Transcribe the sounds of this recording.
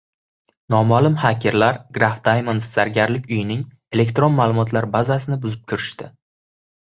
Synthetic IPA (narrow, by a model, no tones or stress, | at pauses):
nɒmalɪmhakʲʰeɾlaɾɡɾaft̪ʰajmant̪saɾɡʲaɾlɪkʲʊjɪnɪŋ | e̞le̞kʲt̪ɾo̞nmaːlˠʊmɒt̪ʰlaɾbazasɪnɪbʊzɪp̚kʲʰɪɾɪʃt̪ɪ